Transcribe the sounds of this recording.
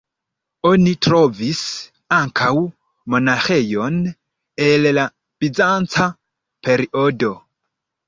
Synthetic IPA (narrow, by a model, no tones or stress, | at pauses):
o̞nitɾovis | aŋkʰaw | mo̞naxejo̞n | ella | b̥id͡zant͡sa | pʰe̞ɾiʔodo̞